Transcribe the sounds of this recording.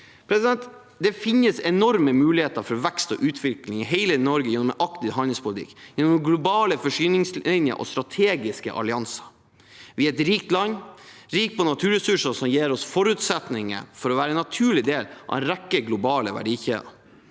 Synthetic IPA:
pʰɾɛsɪd̪ɛnt̪ | d̪ɛfɪnːəsɛnɔɾməmʉːlɪheːt̪əɾfɔɾɔʋɛkst̪ɔ̰ʔʉːt̪ʰʋɪklɪŋɦeɪlənɔɾɡəjɛnːɔmɛʔɑkt̪ɪɦɑnɪŋspʊlɪt̪ʰɪ̰kːjɛnːɔmɡlʊbɑːləfɔʂyːnɪŋslɪnjə̰ʔɔ̰st̪ɾɑt̪ʰeːɡɪskə̰ʔɑ̰lɪɑnsɑ̥ | ʋɪɛt̪ɾiːk̚t̪lɑnːɾiːk̚pʰɔnɑt̪ʰʉːɾɛsʉʂəsɔmjeːɾɔsfɔɾʉt̪sɛt̪nɪŋə̰ɾfɔɾɔʋæːɾəɛnɑt̪ʰʉːɭɪd̪eːlʔɑ̰ʋɛnɾɛkːəɡlʊbɑːləʋæ̰ɖiːçeːə̰

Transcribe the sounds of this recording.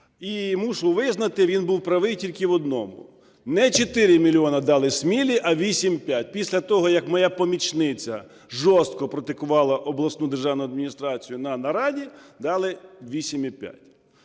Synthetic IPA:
imuʃɔwʋɪznɐt̪ɪʋʲinbuwpɾɐʋɪjtʲilʲkɪʋɔd̪nɔmʊ̰ | nɛt͡ʃet̪ɪɾʲɪmʲilʲiɔnɐd̪ɑlˠɪsmʲilʲiʔɐʋʲisʲimpʲjat̚ʲpʲisʲlʲɐt̪ɔɦɔjɐkmɔjapɔmʲit͡ʃnɪt͡sʲɐ | ʒɔst̪̚kɔpɾɔt̪ɪkʊʋɑlˠɐʔɔblˠɐsnud̪erʒɑwnʊjʊɐd̪mʲinʲist̪ɾɑt͡sʲijʊnɐnɐɾɑdʲid̪ɑlˠɪʋʲisʲimipʲja̰tʲ

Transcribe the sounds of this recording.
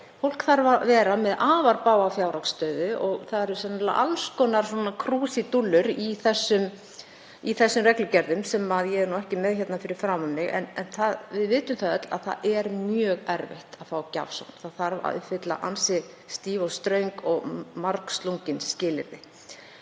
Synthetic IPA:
fowl̥kθaɾvavɛːɾamɛðaːvaɾpaːwafjaːwɾakst̪œɥðʏʔɔɣθaðɛɾɾsɛnla̰ʔalskɔːnaɾ̥sɔːnakʰɾuːsit̪ulːʏɾiθɛsːʏm | iθɛsːʏmrɛklʏcɛɾðʏmsɛmaðjɛɛɾnuɛhcɪmɛðçɛt̪nafɪɾɪɾ̥fɾaːmʏmːɪɣɛ̰nɛnθaðvɪðvɪːt̪ʏmθaðœt̪la̰ðθa̰ɛɾmjœːɣɛɾvɛ̰ht̪aðfawca̰v̥sa̰wnθaðθaɾva̰ʏ̰hfɪt̪la̰ʔa̰nsɪ | st̪iːvɔst̪ɾœɥŋkɔɣmaɾkst̪luŋcɪnscɪːlɪ̰ɾðɪ

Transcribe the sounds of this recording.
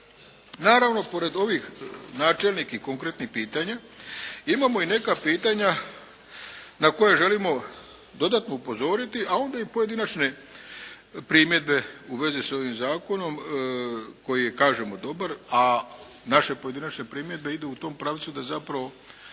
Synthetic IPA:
naːɾaʋno̞po̞ɾe̞d̪o̞ʋixnaːt͡ʃelnikikoŋkɾet̪nixpiːt̪aɲa | imamo̞ine̞kapiːt̪aɲa | nako̞jaʒe̞limo̞ | d̪o̞d̪at̪no̞upo̞zo̞ːɾit̪iʔao̞nd̪aipo̞je̞d̪inat͡ʃne̞ | pɾiːmje̞d̪̚be̞uʋe̞ziso̞ʋimzaːko̞no̞m | ko̞jije̞kaːʒe̞mo̞d̪o̞baɾa | naʃe̞po̞je̞d̪inat͡ʃne̞pɾiːmje̞d̪be̞id̪uut̪o̞mpɾaʋt̪sud̪azapɾaʋo̞

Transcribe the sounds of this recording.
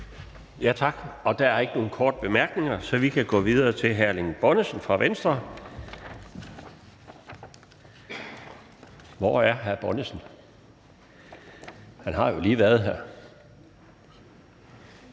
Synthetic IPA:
jæt͡sʰɑ̈ɡ̥ɒ̽d̥ææɐe̝ɡ̥əno̝ːn̩kʰɒ̰ːd̥əb̥e̝mæɐɡ̥ne̝ŋɐsɒ̽ʋikʰæɡ̥ɔ̰̽ːʋiðˠɐːt͡sʰe̝lɦæɐleŋb̥ɒnəsən̩fʁɑ̈ʋensd̥ʁɐ | ʋɒæɐɦæɐb̥ɒnəsn̩ | hænɦɑ̈jo̝liːʋæɐð̞̩ˠɦæɐ

